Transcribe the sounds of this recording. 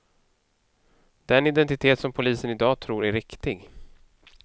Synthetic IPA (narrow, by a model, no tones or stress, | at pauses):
d̪̥ɛnɪd̪ɛnt̪ɪt̪ʰeːt̪sɔmpʰʊliːsənɪd̪ɑːt̪ʰɾuːɾæɾːɪkt̪ɪɡ